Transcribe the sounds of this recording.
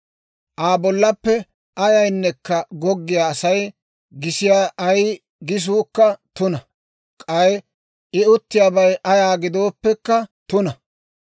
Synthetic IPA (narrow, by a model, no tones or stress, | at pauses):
ʔaːbɔlːɐpːɛ | ɐjɐjnːɛkːɐɡɔɡːɪjaːsɐj | ɡɪsɪjaːʔɐj | ɡɪs̬uːkːɐt̪ʊnɐ | kʼɐj | ʔɪʊt̪ːɪjaːbɐjʔɐjaːɡɪd̪o̞ːpːɛkːɐt̪ʊnɐ